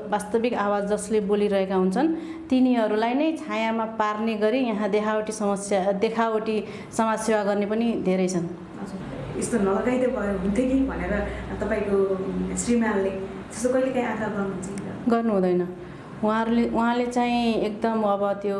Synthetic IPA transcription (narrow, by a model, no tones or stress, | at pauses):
bast̪ʌbikawad͡zd͡zʌsleboliɾʌɦekaɦunt͡sʰʌn | t̪iniɦʌɾulajnʌjt͡sʰajamaparneɡʌɾijʌɦãd̪ekʰawʈisʌmʌsjad̪ekʰaoʈi | sʌmad͡zsewaɡʌrnepʌnid̪ʱeɾʌjt͡sʰʌn | ʌd͡zu | est̪onʌlʌɡajd̪ʌbʱʌjoɦunt̪ʰjokibʱʌneɾʌt̪ʌpaĩkosrimalːe | t̪ʌst̪okʌilekãĩad̪ʱaɡʌrnut͡saĩnt̪ʌɡʌrnuɦũd̪ʌjnʌ | uɦãɾuleuɦãlet͡saĩek̚d̪ʌmʌbʌt̪jo